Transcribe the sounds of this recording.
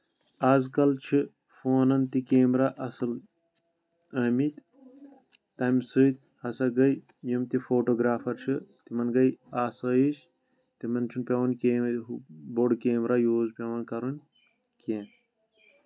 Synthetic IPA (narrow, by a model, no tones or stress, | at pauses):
ɐzkɐlt͡ʃʰi | foːnɐnt̪ikeːmɾaʔɐsɨl | ɐmit̪ | t̪ɐmsɨt̪̚ | hɐsɐɡɐj | jimt̪ifoːʈoːɡɾaːfɐɾt͡ʃʰit̪imɐnɡɐjaːsɐjiʃ | t̪imɐnt͡ʃʰunpʲɐwɐnkʲeːmuboɖkeːmɾajoːzpʲɐwɐnkɐɾunʲ | keːn